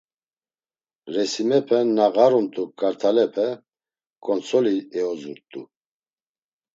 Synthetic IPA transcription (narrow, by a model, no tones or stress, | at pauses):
ɾɛsimɛpʰɛnaɣaɾumt̪ʼukʼaɾt̪ʰalɛpʰɛ | kʼɔnt͡sʰɔliɛɔzuɾt̪ʼu